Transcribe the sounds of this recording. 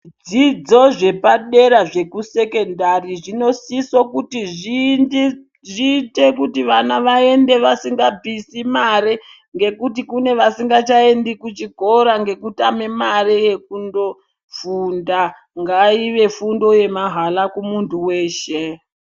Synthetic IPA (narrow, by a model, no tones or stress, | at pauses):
d͡zid͡zo̞ʐe̞paɗe̞ɾaʐe̞kuse̞ke̞ndariʐino̞sisokutiʐi | ʐiːte̞kutiʋanaʋae̞nde̞ʋasiŋɡabisimaɾe | ŋɡe̞kutikune̞ʋasiŋɡat͡ʃae̞ndikut͡ʃiɡʱo̞ɾaŋɡe̞kutamemaɾeje̞k̚undo̞ | funda | ŋɡaiʋe̞fundo̞je̞maɦalakumuntuwe̞ːʃe